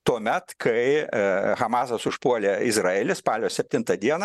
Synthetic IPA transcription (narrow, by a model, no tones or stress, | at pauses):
t̪uɔmʲɛt̪kʰɐɪxɐmɑːsɐsʊʃpuɔlʲeːɪzrɑːeːlʲɪspɑːlʲoːsʲɛpʲt̪ʲɪnt̪ɐd̪ʲiɛnɐ